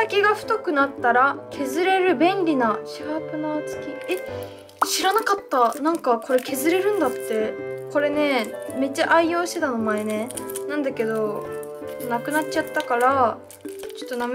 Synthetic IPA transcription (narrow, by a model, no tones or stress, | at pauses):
sakʲiɡaɸɯ̟̥t̪okɯ̟nat̪ːaɾakʰe̞zɨɾe̞ɾɯ̟bẽ̞nɾʲinaɕiɡakɯ̟nat͡sɨ̥kʲie | ɕiɾanakat̪ːanãŋkakʰo̞ɾe̞kʰe̞zɨɾe̞ɾɯ̟̃nd̪at̪ːe̞ko̞ɾe̞ne̞me̞t͡ɕːaʔaijo̞ːɕt̪e̞t̪anomae̞ne̞ | nãnd̪ake̞d̪o̞ | nakɯ̟nat͡ɕːt͡ɕat̪ːakaɾa | t͡ɕo̥t̪ːonam